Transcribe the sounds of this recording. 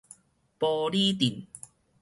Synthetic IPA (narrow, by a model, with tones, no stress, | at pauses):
pɔː˧liː˦˥t̪i˨˩n